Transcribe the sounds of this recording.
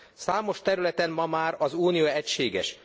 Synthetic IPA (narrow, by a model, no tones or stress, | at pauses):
saːmo̞ʃt̪ɛɾylɛt̪ɛmmɒmaːɾɒzuːnijoɛcʃeːɡɛ̰ʃ